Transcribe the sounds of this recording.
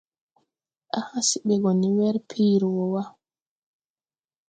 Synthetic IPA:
ʔahasiɓɛɡɔniwɛɾpʰiːɾwɔwa

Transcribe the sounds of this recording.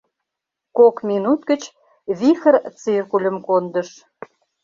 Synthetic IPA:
kokmʲinut̪ɡə̆t͡ɕ | βixə̆rt͡sirkulʲə̆mkond̪ə̆ʃ

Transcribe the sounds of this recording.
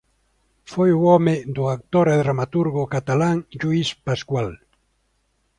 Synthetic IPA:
fojuɔmed̪uak̚t̪oɾeðɾamat̪uɾɣokat̪alaŋʎuispaskwal

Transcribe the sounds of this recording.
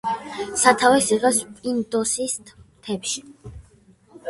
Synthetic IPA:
sat̪ʰavɛsiʁɛspʼind̪ɔsist̪ʰmt̪ʰɛpʃi̥

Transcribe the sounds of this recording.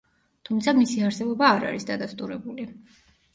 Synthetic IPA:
t̪ʰumt̪sʰamisiaɾsɛbɔbaːɾa̰ɾisd̪ad̪ast̪ʼuɾɛbuli

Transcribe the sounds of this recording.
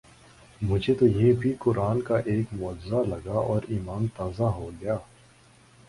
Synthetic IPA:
mʊd͡ʒʱet̪ojebʱikʊɾaːnkaʔeːkmʊəd͡ʒzalɐɡaɔːɾiːmaːnt̪aːzaɦoɡɐjaː

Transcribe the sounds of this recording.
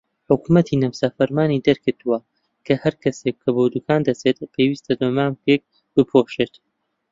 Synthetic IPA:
ħʊkumɐt̪ʰinɐwsafɐɾmaːnid̪ɐɾkɨɾt̪uwɐ | kʰɐhɐɾkʰɐsekʰːɐbowd̪ukʰaːnd̪ɐt͡set̪̚pʰewiːst̪ʰɐbɐmaːmkek̚ | b̥ɨpʰoʃeːt̪

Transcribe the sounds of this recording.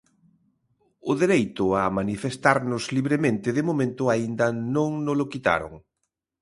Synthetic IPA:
ʊðeɾejt̪ʊamanifest̪aɾnʊzliβɾemẽnt̪ɪðɪmomẽnt̪ʊaind̪ɐnõŋnʊlʊkit̪a̰ɾʊ̰ŋ

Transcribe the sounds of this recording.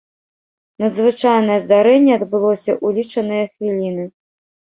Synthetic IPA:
nɐd̪zvɨt͡ʂajnɐjɛzd̪aɾɛnʲːɛɐd̪bɨlˠɔsʲɐʔulʲit͡ʂɐnɨjɐxvʲilʲinɨ

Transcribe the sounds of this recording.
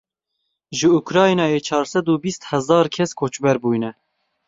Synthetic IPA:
ʒɨukɾɑːjnɑːjeːt͡ʃʰɑːɾsɛd̪uːbist̪hɛzɑːɾkʰɛskʰoːt͡ʃbɛɾbuːjnɛ

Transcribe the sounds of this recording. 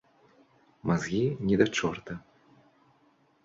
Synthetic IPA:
mazɣʲinʲɛd̪at͡ʂɔrt̪ɐ

